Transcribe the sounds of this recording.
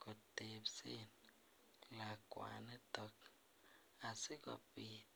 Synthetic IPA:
kutepsen | lakwa̰netɔk | asɪkɔ̰pit

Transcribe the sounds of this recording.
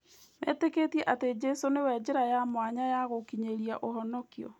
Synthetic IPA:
mɛ̰ːteketiɛʔated͡ʒɛsonewɛd͡ʒeɾajamwaɲajaɣokiɲeɾiaʔoɦɔnɔkiɔ̰

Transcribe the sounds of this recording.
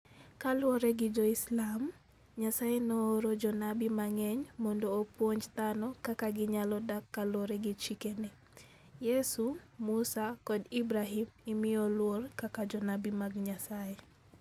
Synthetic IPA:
kalwɔɾɛɡɪd͡ʒɔislam | ɲasajenoːɾod͡ʒɔnabimaŋɛɲmɔndoːpwoɲd͡ʒt̪anɔkakaɡɪɲalɔdakːalwoɾɛɡɪt͡ʃikenɪ | jesumusakɔdibɾaɦimɪmɪjolworkakad͡ʒɔnabimaɡɲasae

